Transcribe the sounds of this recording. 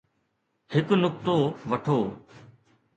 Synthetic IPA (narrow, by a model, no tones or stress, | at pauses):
hɪknʊk̚t̪oʋɐʈʰoː